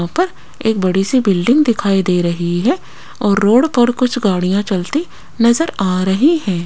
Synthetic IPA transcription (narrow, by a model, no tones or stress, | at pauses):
ãpɐɾ | eːk̚bɐɽisibɪlɖɪ̃ŋɡd̪ɪkʰaːid̪eːɾɐɦiɦɛː | ɔːɾːoːɽpɐɾkʊt͡ʃʰɡaːɽijãt͡ʃɐlt̪i | nɐzəɾaːɾɐɦiɦɛ̃ː